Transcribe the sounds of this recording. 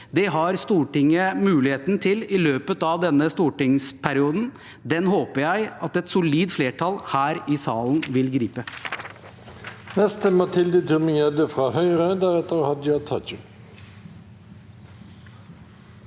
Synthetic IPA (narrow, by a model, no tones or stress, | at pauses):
d̪ɛɦɑɾst̪uːʈɪŋːəmʉːlɪheːt̪nt̪ʰɪlɪløːpət̪ɑʋd̪ɛnːəst̪uːʈɪŋspʰæɾɪuːd̪n̩ | d̪ɛnɦoːpəɾjæɪɑt̪ɛt̪sʊliːd̪fleːʈʰɑlhæːɾɪsɑːln̩ʋɪlɡɾiːpə | nɛst̪əmɑt̪ʰɪld̪ət̪ʰʉmɪŋjɛd̪əfʁɑːhœʏʁəd̪æʁɛt̪əʁhɑd̪əjɑɪt̪ʰɑt͡ʃʉ